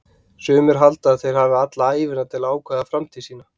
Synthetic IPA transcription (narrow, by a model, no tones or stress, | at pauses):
sʏːmɪɾ̥ɦalt̪aːðθejɾ̥havɪat̪laaːjvɪnat̪ʰɪlaːwkʰvaːðafɾamt̪ʰisiːna